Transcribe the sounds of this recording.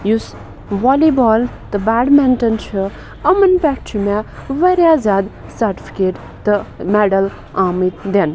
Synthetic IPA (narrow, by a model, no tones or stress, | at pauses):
jus | ʋɔːlibɔːlt̪ɨbaːɖmɛnʈɐnt͡ʃʰə | ɐmənpɛkt͡ʃʰumɛʋɐɾjaːzjaːd̪sɐɾʈi̥pʰi̥keːʈ | t̪ɨmɛɖɐl | aːmit̪d̪en